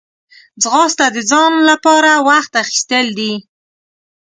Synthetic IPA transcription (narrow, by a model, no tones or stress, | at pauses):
d͡zɣɑst̪ad̪əd͡zɑnlapɑɾawaxt̪axi̥st̪əld̪i